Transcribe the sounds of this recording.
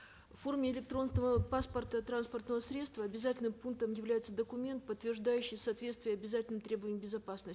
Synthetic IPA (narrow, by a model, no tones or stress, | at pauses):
fo̞rmʲɪɪlʲɪk̚t̪ɾo̞nsnəvəpaspərt̪ət̪ɾanspərt̪nəvəsɾʲe̞t̪st̪vəɐbʲɪzatʲɪlʲnɨmpunk̚t̪əmjɪvlʲæjɪt̪səd̪əkʊmʲe̞nt̪̚pət̪ːvʲɪrʐd̪ajʉɕːɪjsɐːt̪vʲe̞t̪st̪vʲɪjəɐbʲɪzatʲɪlʲnɨmt̪ɾʲe̞bəvəɪmbʲɪzɐpasnəs